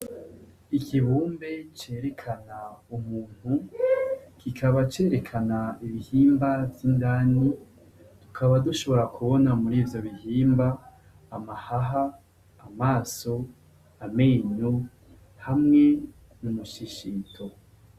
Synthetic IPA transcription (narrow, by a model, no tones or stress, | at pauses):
ikʰiβuːmbe̞t͡ʃe̞ːɾe̞kʰanaumuːn̥hu | kʰikʰaβat͡ʃe̞ːɾekʰanaiβihiːmbavjindaːni | tu̥kʰaβaduʃo̞βo̞ɾakʰuβo̞namuɾiːvjo̞βihiːmbaː | mahaɦaː | maːso̞ | ameːɲu | hamŋe | numuʃiʃiːtʰo